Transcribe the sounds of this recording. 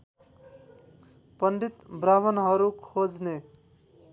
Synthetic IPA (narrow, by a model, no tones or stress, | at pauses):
pʌnɖit̪braβʌnɦʌɾukʰod͡zne